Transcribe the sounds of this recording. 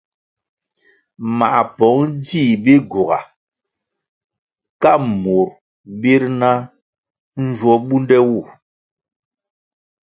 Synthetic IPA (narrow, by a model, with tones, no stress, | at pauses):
ma̰˨ʔpɔ˨˦ŋd͡ʒi˦˨bi˦ɡu˨ɣa̰˨ | ka˦˨mu˨ɾ | bi˦ɾna˦ | n̩˦d͡ʒwɔ˦ɓu˦ndɛ˦wu˦˨